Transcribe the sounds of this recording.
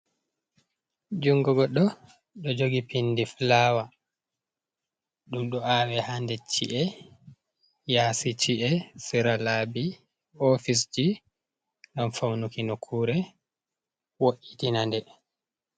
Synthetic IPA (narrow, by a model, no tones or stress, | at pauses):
d͡ʒuŋɡɔɡɔɗɔ | ɗɔd͡ʒoɡipindiflawa | ɗumɗɔaːwɛhandɛt͡ʃḭʔɛ | jaːsit͡ʃiʔɛsiɾalaːbi | ofisd͡ʒi | ŋɡamfawnukinokʰːuːɾɛ | woʔitinandɛ